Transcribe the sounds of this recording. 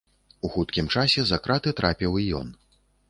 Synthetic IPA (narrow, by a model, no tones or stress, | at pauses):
uxut̪̚kʲimt͡ʂasʲɛzakɾʔat̪ɨt̪ɾʔapʲiwijɔ̰n